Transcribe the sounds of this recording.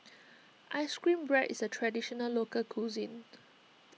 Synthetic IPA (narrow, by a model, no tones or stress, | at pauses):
ʔaɪskɹĩmbɹɛʔḭsətʰɹɛdiʃɔnəlokəlkʰuzĩn